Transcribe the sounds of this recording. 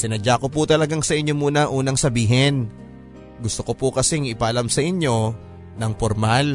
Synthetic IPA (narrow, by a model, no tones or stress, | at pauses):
sɪnɐd͡ʒakoput̪ɐlɐɡaŋsɐʔɪɲːomuːnɐʔuːnɐŋsɐbiːɦɛn | ɡʊst̪okopʊkɐsɛŋɪpaʔɐlamsɐʔɪɲjo̞ | nɐŋpoɾmal